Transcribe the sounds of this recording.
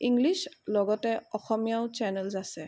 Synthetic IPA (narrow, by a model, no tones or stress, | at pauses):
iŋɡlislɔɡɔtɛɔxɔmijaʊt͡ʃɛnɛlzasɛ